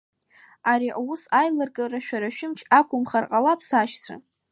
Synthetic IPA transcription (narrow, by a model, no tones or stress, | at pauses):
aɾiʔausajlarɡʼaraʃᶣaɾaʃᶣɪmt͡ʃʰakʷʰʼʊmχarqʼalapʰsaʃt͡sʷʰa̰